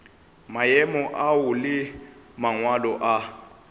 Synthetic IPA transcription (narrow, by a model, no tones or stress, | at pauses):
majɛmɔʔawʊlɪmaŋwalɔʔa